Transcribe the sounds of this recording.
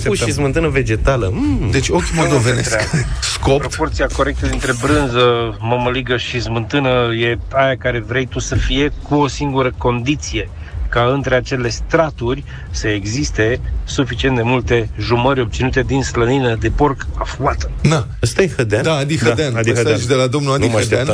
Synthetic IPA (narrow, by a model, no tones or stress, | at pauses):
ʃizmɨnt̪ɨnəve̞d͡ʒe̞t̪aləd̪et͡ʃʲokʲimold̪ovenet̪easkopɾopo̞rt̪siako̞ɾe̞k̚t̪əd̪int̪ɾe̞bɾɨnzəməməliɡəʃizmɨnt̪ɨnəje̞ajakaɾe̞vɾe̞jt̪usəfije̞kuo̞siŋɡuɾəko̞nd̪it̪sije̞ | kaɨnt̪ɾe̞at͡ʃe̞le̞st̪ɾat̪urʲ | səeɡzist̪e̞sufit͡ʃient̪d̪e̞mult̪e̞ʒuməɾʲo̞b̚t̪sinut̪e̞d̪insləninəd̪e̞po̞rkafuat̪ə̥d̪a | əst̪ajehəd̪ad̪aad̪ihdəad̪eand̪iet͡ʃd̪elad̪omnuad̪nimaen